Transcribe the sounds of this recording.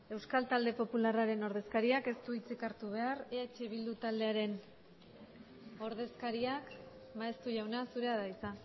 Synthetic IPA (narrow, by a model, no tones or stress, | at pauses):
e̞wskalt̪ald̪e̞po̞pularaɾe̞no̞ɾð̞e̞skaɾiake̞st̪uit͡sikaɾt̪uβ̞e̞areet͡ʃeβ̞ild̪ut̪ald̪e̞aɾe̞n | o̞ɾð̞e̞skaɾiak | maest̪uʝawnasuɾe̞aðaisa